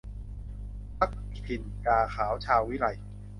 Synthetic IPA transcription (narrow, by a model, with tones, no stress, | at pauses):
pa˦˥k̚ | pʰi˨˧˩nkaː˧xʰaː˩˦wt͡ɕʰaː˧wi˦˥ɾa˧j